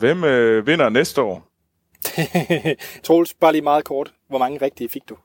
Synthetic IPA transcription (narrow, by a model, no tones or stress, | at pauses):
ʋemʋe̝n̰ɐnesd̥əɒ̰ː | t͡sʰʁoːlsb̥ɑ̈ːlimɑ̈ːð̩ˠkʰɒːd̥ | ʋɒmɑ̈ŋəʁɛɡ̥̚d̥ifiɡ̥̚d̥u